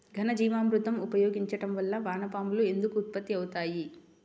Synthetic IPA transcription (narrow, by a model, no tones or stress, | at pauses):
ɡʱɐnɐd͡ʒiːʋaːmɾut̪ɐmupɐjoːɡiɲt͡ʃɐʈɐmʋɐlːɐʋaːnɐpaːmulue̞nd̪ukuːt̪̚pɐt̪ːiɐwut̪aːji